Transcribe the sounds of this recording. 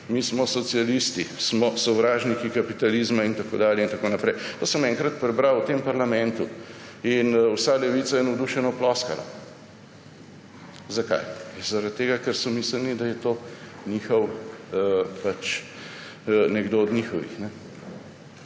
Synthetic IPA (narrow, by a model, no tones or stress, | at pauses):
mismɔsɔt̪sialist̪ismɔsɔʋɾaːʒnikikapit̪alizmaint̪ako̰ːd̪aːljɛint̪akoːnapɾɛjt̪oːsəmɛŋkɾat̪̚pɾɛbɾawwt̪empɐɾlamɛ̃nt̪u | inwsalɛʋiːt̪sajɛnɔd̪uːʃɛnɔplɔska̰la̰ | zaka̰jzaɾat̪̚tːeːɡakɛɾsɔmiːsəlnid̪ajɛt̪oniːxɔw | pat͡ʃ | nɛɡd̪oɔd̪nixɔʋḭxnɛ